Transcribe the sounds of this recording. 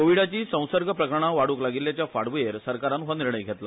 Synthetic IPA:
koʋiɽat͡ɕiːsə̃w̃səɾɡʱəpɾəkəɾɳaʋaɽuːklaɡilːjat͡ɕjafaɽʋujeɾsəɾkaɾanɦaniɾɳəjɡʱet̪la

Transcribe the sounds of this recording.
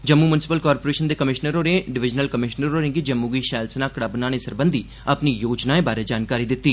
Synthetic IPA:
d͡ʒəmːuːmʊnɪsɪpəlkaːɾpoːɾeːʃənd̪eːkəmɪʃnəɾoːɾẽːɖɪʋɪd͡ʒnəlkəmɪʃnəɾoːɾẽŋɡid͡ʒəmːuːɡiːʃɛːlsənaːkɽabnaːnẽːsəɾbənd̪ʱiː | əpniːjoːd͡ʒnaːẽːbaːɾeːd͡ʒaːnkaːɾiːd̪ɪt̪ːiː

